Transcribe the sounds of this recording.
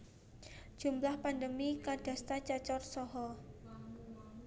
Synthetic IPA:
d͡ʒ̥umlahpandəmikard̥ast̪at͡ʃat͡ʃɔrsɔɦɔ

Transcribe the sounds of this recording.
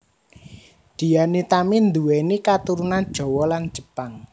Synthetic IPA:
d̪̥i̤anit̪amind̪uwenikat̪uɾunand̥ʒ̥ɔ̤wɔlan̥d͡ʒ̥əpaŋ

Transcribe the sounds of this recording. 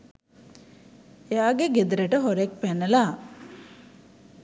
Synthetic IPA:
jaːɡeɡed̪əɾeʈəɦoɾek̚pænːəla

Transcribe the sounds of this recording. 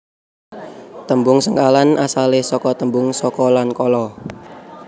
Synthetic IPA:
t̪əmbʊŋsəŋkalanasalesɔkɔt̪əmbʊŋsɔkɔlankɔlɔ

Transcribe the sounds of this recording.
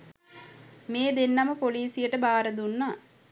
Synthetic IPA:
meːd̪enːɐməpoliːsijəʈəbaːɾəd̪unːaː

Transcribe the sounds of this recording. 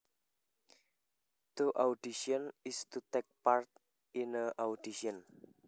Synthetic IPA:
t̪uʔawdiʃiɔnist̪ut̪ɛk̚paɾt̪̚ | inəʔawdiʃiɔn

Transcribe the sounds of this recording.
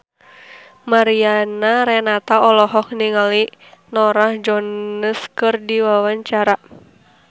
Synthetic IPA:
maɾianaɾɛnat̪aɔlɔɦɔk̚niŋalinɔɾahd͡ʒɔnəskɨrdiwawaɲt͡ʃaɾa

